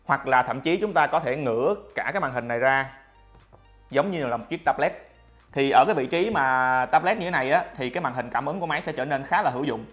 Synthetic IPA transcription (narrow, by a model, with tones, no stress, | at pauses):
hwa˨˩k̚laː˨˩t̪ʰə̰˧˨mt͡ɕi˨˦t͡ɕʊ˨˦ŋ͡mt̪aː˧kɔ˨˦t̪ʰe˧˩ŋɨ̰˧˥kaː˧˩kaː˨˦mwaː˨˩ɦi˨˩ŋ̟na˨˩jzaː˧ | zə˨˦wŋ͡mɲɨ˧˨˩aː˨˩m˨˩t̚wi˦˥ək̚t̪a˧p̚lɛ˦˥t̚ | t̪ʰi˨˩ʔəː˧˩kaː˨˦jvḭ˧˨t͡ɕi˨˦maː˨˩t̪aː˦˧p̚lɛ˦˥t̚ɲɨ˧˨˦na˨˩jʔaː˨˦t̪ʰi˨˩kaː˨˦jmaː˨˩ŋɦï˨˩ŋ̟kaː˧˩mʔɨ˨˦ŋku˧˩əma˨˦jsɛ̰˧˥t͡ɕəː˧˩ne˧nxaː˨˦laː˨˩ɦɨ˧˩wzʊ̰˧˨ŋ͡m